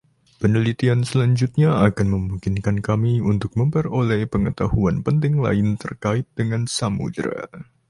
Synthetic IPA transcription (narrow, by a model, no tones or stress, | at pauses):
pənəlit̪iansəlaɲd͡ʒut̪̚ɲaakanməmuŋkɪnkankamiunt̪ʊk̚məmpərolɛhpəŋət̪ahuanpənt̪ɪŋla̰ɪnt̪ərkaɪt̪̚dəŋansamṵd̪ɾa̰